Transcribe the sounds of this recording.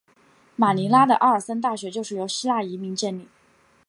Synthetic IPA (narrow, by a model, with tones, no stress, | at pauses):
ma˨˩ni˧˥la˥d̪ə˨˧ʔa˥˩ə˞˨˩sə˥nt̪̬a˥˩ɕɥɛ˧˥t͡ɕjo˥˧ʊʂɻ̩˥˩jo˧˥ʊɕi˥la˥˩i˧˥mi˧˥ŋt͡ɕɛ˥nli˨˩˦